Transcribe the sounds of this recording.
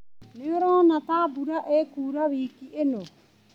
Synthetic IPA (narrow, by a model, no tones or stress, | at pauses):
neoɾonatabuɾaʔekuːɾaβiːkiʔeno